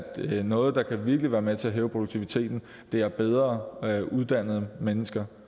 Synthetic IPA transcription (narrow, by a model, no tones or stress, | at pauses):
d̥nɔ̽ːð̞̩ˠd̥ɑ̈kʰæʋiɐɡ̥liʋæːɐmet͡sʰe̝æɦeːʊpʰʁo̝doɡ̥̚t͡sʰiʋit͡sʰe̝̰ːd̥n̩ | d̥e̝æɐb̥eð̞ˠʁɐːʔuð̞ˠd̥æn̰ð̞̩ˠəmenəsɡ̥ɐ